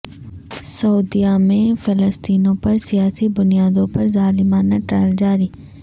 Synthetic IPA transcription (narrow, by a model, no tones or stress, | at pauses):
sɐuːd̪ijamẽfʰɪləst̪iːnõpɐɾsɪjaːsibʊnijaːd̪õpɐɾzaːlɪmaːnaʈɾɛːld͡ʒaːɾiː